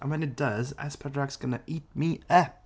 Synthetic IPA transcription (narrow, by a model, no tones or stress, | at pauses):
ʔə̃nwə̃nɨt̚d̥ʌzæ̰spʰɛdɹaksɡ̥ʌnəʔiˑt̚miɛ